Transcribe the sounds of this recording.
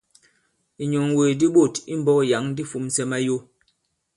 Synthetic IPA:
i˨ɲo˨ŋwe˨di˦ɓo˦˨ti˦m˦bɔ˦kja˨˦ŋdi˦fu˨˦msɛ˦ma˦jo˦

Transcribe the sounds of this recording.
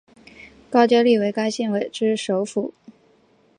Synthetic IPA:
kɑ˥ʊt͡ɕjɑ˥li˥˩we˧˥ɪka˥ɪɕi˥˩nwe˨˩ɪʈ͡ʂɻ̩˥ʂo˧˥ʊfu˨˩˦

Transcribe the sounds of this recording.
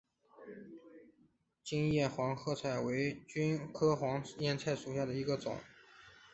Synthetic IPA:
t͡ɕi˥ŋjɛ˥˩xwɑ˧˥ŋxɤ˥˧t͡sʰa˥˩ɪwe˧˥ɪt͡ɕy˥nkʰɤ˥xwɑ˧˥ŋjɛ˥˧nt͡sʰa˥˩ɪʂu˨˩ɕja˥˩d̪ə˩i˧˥ɡə˧t͡sʊ̰˨˩˦ŋ

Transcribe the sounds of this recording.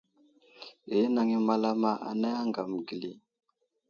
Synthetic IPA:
e˨˦na˨ŋi˦ma˦la˦ma˦ʔa̰˨na˦ja˦ŋɡa˨m˨ɡi˨li˨

